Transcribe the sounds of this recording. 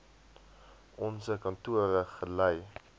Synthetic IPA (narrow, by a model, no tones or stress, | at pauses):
ʔɔnsəkɐntuəɾəχələj